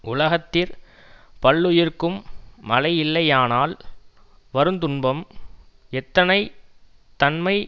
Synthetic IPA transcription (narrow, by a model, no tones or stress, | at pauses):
ʊlɐɣɐt̪ːɪɾ | pɐɭːʊjɪrkɯmːɐlɐɪjɪlːɐɪjaːnaːl | ʋɐɾɯnt̪ʊnbɐm | ɛt̪ːɐnɐɪt̪ɐnmɐɪ